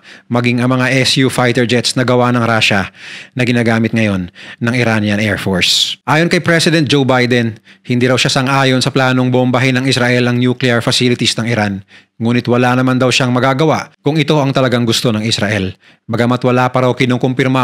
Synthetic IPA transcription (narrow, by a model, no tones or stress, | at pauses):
mɐɡiŋɐŋmɐŋaʔɛsjufajt̪ɛɹd͡ʒɛt̪snɐɡɐwanɐŋɾaːʃɐnɐɡɪnaːɡaːmɪt̪̚ŋɐjo̞nːɐŋɪɾanjɐɐnɛːɹfoɹsʔaːjonkɐjpɾɛsɪd̪ɛnt̪̚d͡ʒowbajd̪ɛnhɪnd̪iːɾɐwʃasɐŋʔaːjo̞nsɐplaːno̞ŋboʔombɐɦɪnɐŋɪsɾaʔɛlɐŋnjuklɪɐɹfɐsilɪt̪ɪsnɐŋɪɾan | ŋuːnɪt̪wɐlanɐmand̪ɐwʃaŋmɐɡaːɡɐwaʔkʊŋɪt̪o̞ʔɐŋt̪ɐlɐɡaŋɡʊst̪o̞nɐŋɪsɾaʔɛl | bɐɡɐmat̪wɐlapɐɾawkɪnoŋkompɪɾma